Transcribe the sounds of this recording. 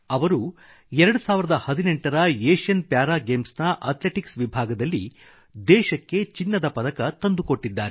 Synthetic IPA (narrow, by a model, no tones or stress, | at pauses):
ɐʋɐɾu | ɛɾɐɽusaːʋiɾɐd̪ɐhɐd̪ineɳʈɐɾɐeːʃjɐnpjaːɾaːɡeːmsnɐʔɐ̰t̪leʈiksʋibʱaːɡɐd̪ɐlːi | d̪ɛːʃɐkːe̞t͡ʃinːɐd̪ɐpɐd̪ɐkɐt̪ɐnd̪uko̞ʈːid̪ːaːɾe